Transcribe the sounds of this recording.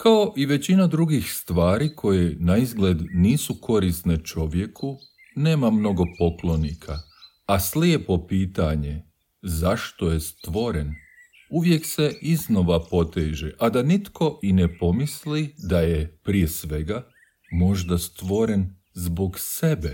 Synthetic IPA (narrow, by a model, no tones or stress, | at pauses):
kao̞ʔiʋe̞t͡ɕinad̪ɾuɡixst̪ʋaːɾikʰo̞jenaizɡled̪niːsukʰo̞ɾisne̞t͡ʃo̞ʋje̞kʰu | neːmamno̞ɡo̞po̞klˠo̞nikʰa | asliepo̞piːt̪aɲe̞ | zaʃt̪oje̞st̪ʋo̞ɾen | uʋjekse̞ʔiznoʋapo̞t̪eːʒeʔad̪anit̪kʰo̞ʔine̞po̞mislid̪ajepɾije̞sʋe̞ɡa | mo̞ʒd̪ast̪ʋo̞ɾe̞n | zboɡse̞be